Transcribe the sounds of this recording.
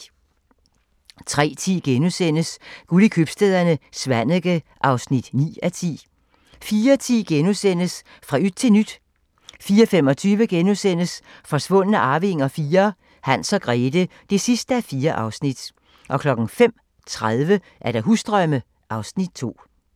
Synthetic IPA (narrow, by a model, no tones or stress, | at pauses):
t͡sʰʁɛ̰ːt͡sʰḭːɡ̥enusen̰əsɡ̥ulikʰøb̥sd̥eːðˠɐnəsʋæn̰əɡ̥əʔɑ̈ʊsnid̥nḭːæt͡sʰḭː | fiːɐt͡sʰḭːɡ̥enusen̰əs | fʁɑ̈yd̥t͡sʰe̝nyd̥ | fiːɐfem̰ɒ̽t͡sʰyːʋəɡ̥enusen̰əsfɒ̽sʋɔ̽n̰ənəʔɑ̈ːʋe̝ŋɒfiːɐ | hæn̰sɒ̽ɡ̥ʁɛːd̥əd̥e̝sisd̥əæfiːɐʔɑ̈ʊsnid̥ | ʔɒ̽kʰlɒ̽ɡ̥n̩ŋ̩fem̰ | t͡sʰʁaðˠʋə | ʔæɐɾ̥ɑ̈ɦusd̥ʁɶmə | ʔɑ̈ʊsnid̥̚t͡sʰo̝̰ː